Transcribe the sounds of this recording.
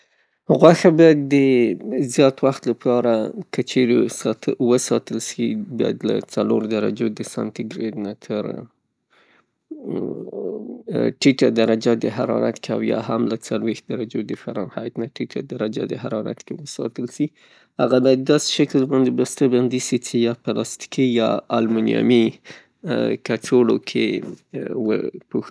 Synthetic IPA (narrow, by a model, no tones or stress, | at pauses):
ɣwaxabɑjad̪ːəzjɑt̪waxt̪lapʰɑɾakət͡ʃeɾewəsɑt̪əlsibɑ̰ja̰d̪la̰t͡saloɾd̪aɾa̰d͡ʒod̪əsa̰nt̪iɡɾed̪nat̪ʰəɾ | ʈiʈad̪aɾad͡ʒad̪əɦaɾɑ̰ɾa̰t̪kea̰wjɑ̰ɦamlat͡salwext̪̚d̪aɾad͡ʒod̪əfaɾɑnhɑjt̪naʈiʈʰad̪aɾad͡ʒa̰d̪əɦaɾɑɾa̰t̪kewəsɑ̰t̪əlsi | haɣad̪ɑd̪ɑse̥ʃaklbɑnd̪ebast̪aband̪isit͡ʃejɑpəlɑst̪i̥kijɑalmunijɑ̰mi | kaʈ͡ʂʰolo̰kʰe | wə̰pux